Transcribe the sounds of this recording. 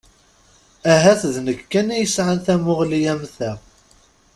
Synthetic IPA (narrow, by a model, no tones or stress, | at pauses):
æɦæθðnəkːænæjəsʕanθæmʊʁlijæmθæʁ